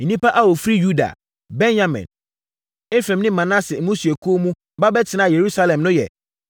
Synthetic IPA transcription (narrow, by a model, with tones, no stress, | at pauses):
n̩˨nĩ˦pa˦ʔa˦wo˨fɾi˦ju˦da̰˨ | bɛ̃˦njã˨mɛ̰̃˨n | e˦fɾɛ̃˨mnɪ̃˦mã˨nã˦sɪ˨˦mũ˦si˨e˨kʰu˦o˦mũ˦˨ba˦bɛ˦tʰɪ˨nã˨je˨ɾu˦sa˦lɛ̃˨mnʊ̃˦jɛ̰˨